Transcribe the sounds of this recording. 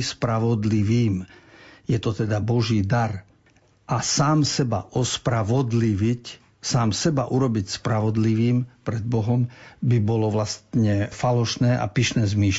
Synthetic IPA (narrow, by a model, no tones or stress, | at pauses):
spɾaʋɔd̪liʋiːmjɛt̪ɔt̪ɛd̪abɔʒiːd̪aɾ | ʔasaːmsɛba̰ʔɔspɾaʋɔd̪liʋic | saːmsɛbaʔuɾɔbicspɾaʋɔd̪liʋiːmpɾɛd̪̚bɔɦɔmbibɔlɔʋlast̪ɲɛfalɔʃnɛːʔa̰piʃnɛːzmiːʃ